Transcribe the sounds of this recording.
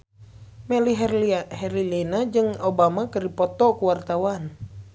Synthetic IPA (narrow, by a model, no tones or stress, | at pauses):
mɛliɦhɛɾilɛnad͡ʒɨŋobamakɨripɔt̪ɔkuwart̪awan